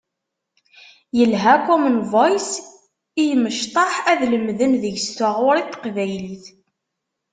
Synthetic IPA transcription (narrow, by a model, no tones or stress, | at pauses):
jəlɦækumənvojs | ijəməʃt̪ˤɑħæðləmðənðəʝst̪aʁʊɾˤit̪ːqvæjliθ